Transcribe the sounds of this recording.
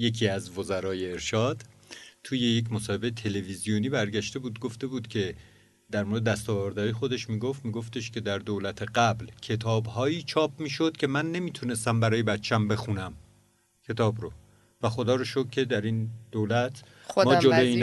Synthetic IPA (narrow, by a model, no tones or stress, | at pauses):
je̞kʰiːæzvozæɾɒːje̞ːɾʃɒːd̪̥ | t̪ʰuːje̞jecʰmosɒːhebejet̪ʰe̞levizijoniːbæɾɟæʃt̪e̞buːd̪ɡoft̪e̞buːd̪cʰe̞ | d̪æɾmoɾed̪ed̪æst̪ɒːvæɾd̪ɒjexo̞d̪e̞ʃmiːɡo̞ft̪miːɡo̞ft̪e̞ʃcʰe̞d̪æɾd̪olæt̪ʰe̞ɢæblcʰe̞t̪ʰɒːbɦɒːiːt͡ʃʰɒːp̚ʰmiːʃo̞d̪̥̚cʰe̞mænːe̞miːt̪ʰune̞st̪æmbæɾɒːje̞bæt̪t͡ʃʰːæmbe̞xunæm | cʲʰe̞t̪ʰɒːbɾo | væxo̞d̪ɒːɾoʃokʰːe̞d̪æɾind̪̥oːlæt̪ʰ | mɒːd͡ʒoloiːn